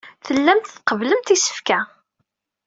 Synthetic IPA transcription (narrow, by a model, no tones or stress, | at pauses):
θəlːæmt̪θqəvləmt̪isə̥fkæ